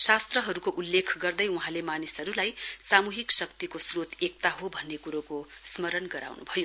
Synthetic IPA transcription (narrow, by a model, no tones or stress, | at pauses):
sast̪rʌɦʌɾukoʔulːekʰɡʌrd̪ʌjuɦãlemanisʌɾulajsamuɦiksʌkt̪ikosrot̪ʰek̚t̪aɦobʱʌnːekuɾokosmʌɾʌnɡʌɾa̰wnṵbʱʌjo